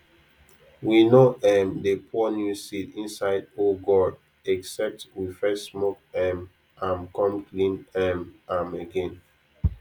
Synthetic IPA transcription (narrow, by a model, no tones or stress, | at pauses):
winoʔɛmdepʰɔnjusitĩnsaɪdoɡɔd | ɛksɛp̚twifɛssmokɛm | ãmkɔ̃mklĩnɛmãməɡɛ̃n